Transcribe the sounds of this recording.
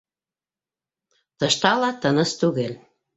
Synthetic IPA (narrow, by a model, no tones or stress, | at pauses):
t̪ɤ̆ʃt̪ɑlɑt̪ənə̆st̪uɣel